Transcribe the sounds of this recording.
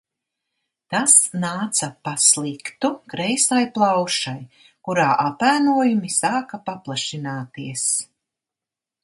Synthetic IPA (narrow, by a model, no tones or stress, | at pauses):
t̪asnaːt̪sɐpaslˠikt̪ukɾɛjsajplˠawʃaj | kuɾaːʔapæːnuɔjumisaːkɐpaplˠaʃinaːt̪iɛs